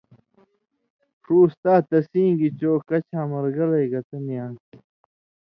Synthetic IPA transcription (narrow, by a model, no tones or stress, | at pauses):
ʂuːst̪aːt̪ɐsĩːŋɡit͡ɕoːkɐt͡ɕʰaːmɐɾɡɐlɐjɡɐt̪ɐmijãː